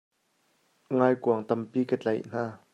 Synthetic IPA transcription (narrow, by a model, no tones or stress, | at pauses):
ŋaːjkuɐŋt̪ɐmpiːkət͡ɬɛ̰jn̥aː